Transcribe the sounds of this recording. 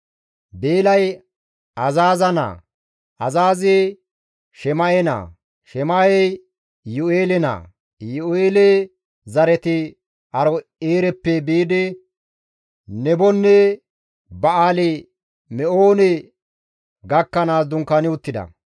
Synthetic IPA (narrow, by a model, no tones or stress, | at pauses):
beːlɐj | ɐzaːzɐna̰ | ɐzaːze | ʃɛmɐjɛna̰ː | ʃɛmɐjɛj | jʊeːlɛna̰ | jʊeːle | zɐɾɛt̪ɪ | ɐɾɔeːɾɛpːɛbiːd̪ɪ | nɛbɔnːɛ | bɐaːlɛ | mɛʔoːnɛ | ɡɐkːɐnaːsd̪ʊŋkːɐnɪwʊt̪ːɪd̪ɐ̰